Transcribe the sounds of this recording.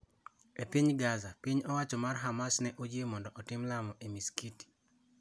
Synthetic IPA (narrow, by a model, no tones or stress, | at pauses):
epiɲɡazapiɲɔwat͡ʃɔmarɦamasnɛʔod͡ʒemɔndɔʔɔtɪmlamɔʔemiskiti̥